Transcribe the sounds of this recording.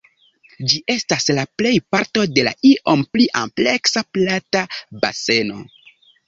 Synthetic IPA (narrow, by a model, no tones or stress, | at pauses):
d͡ʒiʔe̞staslaple̞jpaɾto̞de̞la̰iʔo̞mpliʔa̰mple̞ksaplataba̰se̞no̞̰